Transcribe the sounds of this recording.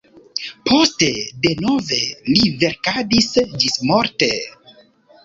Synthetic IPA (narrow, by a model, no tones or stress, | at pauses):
pʰo̞stede̞no̞ve̞live̞ɾkadisd͡ʒismoɾte̞